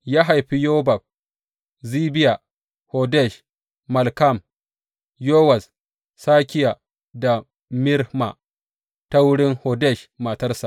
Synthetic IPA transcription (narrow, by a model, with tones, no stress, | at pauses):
jaː˦ɦa˨jɸi˦joː˦ba˨ɸ̚ | ziː˦bɪ˦ja˨ | hoː˨dɛ˦˨ʃ | mɐ˨lka˦˨m | joː˦wa˨s | saː˦kʲɪ˦ja˨ | da˨ | mɪ˦ɾhma̰˨ | ta˦wʊ˦ɽɪ˦ŋhoː˨dɛ˦˨ʃma˨tɐ˦rsa˨